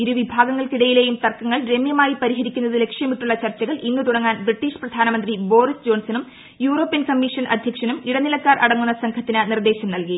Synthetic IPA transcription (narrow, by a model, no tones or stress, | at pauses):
iɾuʋibʱaːɡɐŋːɐɭkiɽɐjile̞ːjumt̪ɐrkːɐŋːɐɭɾe̞mjɐmaːjipɐɾiɦɐɾikʲːunːɐðɨle̞kʂjɐmiʈːuɭːɐt͡ɕɐrt͡ɕːɐɣɐɭʔinːɨt̪uɽɐŋːaːnbriʈːiːʂprɐd̪ʱaːnɐmɐnd̪ribo̞ːrisd͡ʑo̞ːnsɐnum | juːro̞ːpːijɐnkɐmːiʂɐnʔɐd̪ʱjɐkʂɐnumiɽɐnilɐkːaːrʔɐɽɐŋːunːɐsɐŋkʰɐt̪ːinɨnird̪e̞ːɕɐmnɐlki